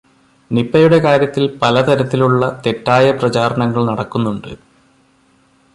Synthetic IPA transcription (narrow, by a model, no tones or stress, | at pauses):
nipːɐjuɽe̞kaːɾjɐt̪ːilpɐlɐt̪ɐɾɐt̪ːiluɭːɐt̪e̞tːaːjɐprɐt͡ɕaːɾɐɳɐŋːɐɭnɐɽɐkːunːuɳɖɨ̰